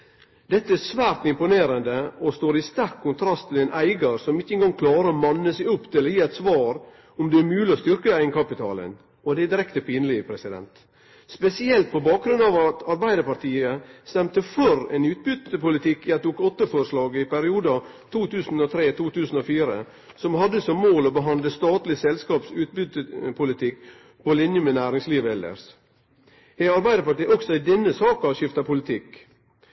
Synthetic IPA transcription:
d̪ɛt̪ːəæsʋæːɾt̪ɪmpʊneːɾənd̪əɔst̪oːɾɪst̪æɾkʰːʊnt̪ʰɾɑst̪ʰːɪlɛnʔæɪɡəɾsɔmɪçːəɛŋɡɑŋkʰlɑːɾəɔmɑnːəsɪʊpːt̪ʰɪlɔjiːɛɪt̪sʋɑːɾ | ʊmd̪ɛæɾmʉːlɪɔst̪ʏɾkəæɪŋkɑpɪt̪ʰɑːlə̰n | ɔd̪ɛd̪ɪɾɛkt̪əpʰiːnəlɪpʰɾɛsɪd̪ɛ̰nt̪ | spɛsɪɛlt̪̚pɔbɑːk̚ɡɾʉnd̪ɑʋɑt̪ɑɾbæɪd̪əɾpɑɾt̪iːəst̪ɛmt̪əfɔɾɛ̰ːnʉːt̪̚bʏt̪əpʊlɪt̪ʰɪkːɪɛt̪uːkɔt̪ːəfɔɾʂlɑːɡɪpæɾɪuːd̪ɑ | t̪ʰuːt̪ʰʉːsn̩ot̪ʰɾeːt̪ʰuːt̪ʰʉːsn̩oːfiːɾə̰ | sɔmhɑd̪ːəsɔmːoːloːbəɦɑnd̪ləst̪ɑːt̪lɪsɛlskɑːpsʉːt̪̚bʏt̪ːəpʰʊlɪt̪ʰɪkː | pʰɔlɪnjəmɛnæːɾɪŋsliːʋəɛlə̰ɾs | ɛɑɾbæɪəɾpɑʈiːʔɔksɔɪd̪ɛnːəsɑːkɑɑʃɪft̪ɑpʰʊlɪt̪ʰɪk

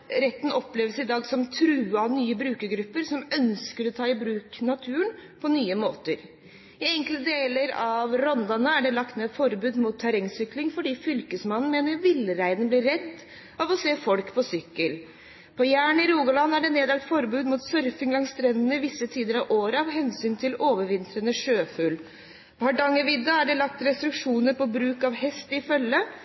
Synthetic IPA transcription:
ɾɛt̪ːn̩ʔɔpːleːʋəsɪd̪ɑːɡsɔmt̪ʰɾʉːɑnyːəbɾʉːkəɾɡɾʉpːəɾsɔmœnskəɾɔt̪ʰɑːɪbɾʉːknɑt̪ʰʉːənpʰɔnyːəmoːt̪əɾ | ɪɛŋklt̪əd̪eːləɾɑʋɾɔnd̪ɑnəæɖɛlɑkt̪neːfɔɾbʉːd̪muːt̪ʰːæɾɛŋsʏklɪŋfɔɖiːfʏlkəsmɑnːn̩meːnəɾʋɪlɾæɪd̪ən̩blɪɾːɛt̪ː | ɑʋɔseːfɔlkpʰɔsʏkːəl | pʰɔjæːɳɪɾuːɡɑlɑnːæɖɛneːd̪ɛlt̪fɔɾbʉːd̪muːt̪sœɾfɪŋlɑŋst̪ɾɛnːənəɪʋɪsːət̪ʰiːd̪əɾɑʋʔoːɾəɑʋɦɛnsyːnt̪ʰɪloːʋəɾʋɪnt̪ɾənəʂøːfʉl | pɑɖɑŋːəʋɪd̪ːɑæɖɛlɑk̚t̪ɾɛst̪ɾʉkʂuːnəɾpɔbɾʉːkɑʋhɛst̪ɪfœlːə

